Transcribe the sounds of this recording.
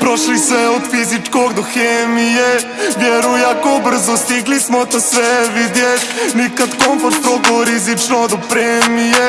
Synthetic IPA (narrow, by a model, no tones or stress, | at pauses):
pɾoʃlismɛod̪fizit͡ʃkoɡd̪oxeːmije | ʋjɛɾujakobr̩zost̪iɡlismot̪asʋɛʋid̪jet̪ʲnikat̪konfoɾt̪̚pɾokoɾizit͡ʃnod̪opɾeːmije